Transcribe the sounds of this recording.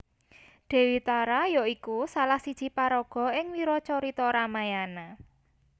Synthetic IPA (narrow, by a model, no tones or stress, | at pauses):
d̪̥e̤wit̪aɾajoikusalahsid̥ʒ̥i̤paɾɔɡ̥ɔ̤ɪŋwiɾɔt͡ʃɔɾit̪ɔɾamajana